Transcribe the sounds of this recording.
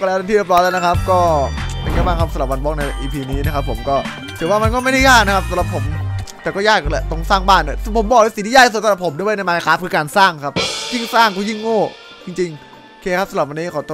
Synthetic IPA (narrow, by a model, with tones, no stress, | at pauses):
kɔ˧˩lɛː˦˥ta˧t̪ʰiː˥˩jpɾɔ˦˥lɛː˦˥˩na˦˥kʰa˦˥p̚kɔː˥˩ja˧ŋkaː˥˩jbaː˥˩kʰa˦˥p̚sa˧la˨˩p̚wa˧nbɔ˦˥k̚na˧jʔiː˧pʰiː˧niː˦˥na˦˥kʰa˦˥pʰːo˨˩˦mkɔː˥˩ | t̪ʰɯ˩˦waː˥˩ma˧nkɔ˥ma˥˩jda˥˩jaː˥˩na˥kʰa˥sa˨˦mla˨˩pʰːo˩˦mt̪ɛː˨˩kɔː˥˩jaː˥˩k̚lɛ˧˩t̪o˧˩ŋsaː˥˩ŋbaː˥˩na˧˩˦pʰo˨˩˦mbɔː˨˩k̚ːsi˨˦t̪iː˥jaː˥˩kssla˨˩pʰo˩˦mnɯ˧˥˩wn˧jmaː˧a˧kʰaː˦˥p̚kʰɯː˧kaː˧nsaː˥˩ŋkʰa˦˥p̚ji˥˩ŋsaː˥˩ŋkʰu˧˩ji˥˩ŋːoː˥˩ | t͡ɕi˧ŋt͡ɕi˧ŋ˧ | kʰeː˧kʰa˦˥p̚sa˧mla˨˩wa˧niː˦˥˩kʰaː˨˩t̪o˧